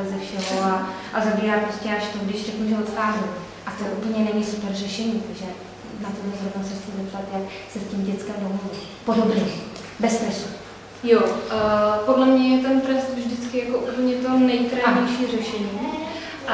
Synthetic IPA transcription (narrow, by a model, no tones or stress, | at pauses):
zɛfʃɛɦoa | ʔazabiːɾaːpɾoscɛaʃt̪oɡdɪʃrɛknuʒɛot̪xaːzɛl | ʔat̪oɛʔupl̩ɲɛnɛɲiːsupɛɾrɛʃɛɲiːt̪aɡʒɛ | nat̪odlɛzɾovnasɛxt͡sɪzɛpt̪at̪jaksɛsciːmɟɛt͡skɛmdoɦodu | po̞do̞bɲɛ | bɛst̪ɾɛsu | jo | podlɛmɲɛjɛt̪ɛnt̪ɾɛst̪vʒdɪt͡skɪjakoʔutɲɛt̪onɛjt̪ɾaɲɛjʃiːrɛʃɛɲiː